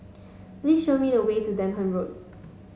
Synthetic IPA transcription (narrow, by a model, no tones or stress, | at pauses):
plisʃomidəwetudɛ̃nɦə̃nɹot̚